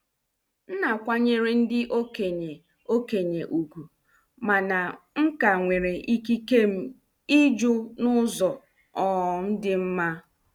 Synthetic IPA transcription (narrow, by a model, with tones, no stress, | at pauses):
n̩˦na˨kʷa˦ɲe˦ɾe˦n̩˦dɪ˦ʔo˦ke˨ɲe˨ | o˦ke˨ɲe˨ʔu˨ɡu˨ | ma˨na˨ŋ̩˦ka˨ŋʷe˨ɾe˨ʔi˦ki˦ke˦m̩˦ | i˦d͡ʒʊ˦nʊ˦zɔ˨ | ɔ˨n̩˦dɪ˦m̩˦ma˦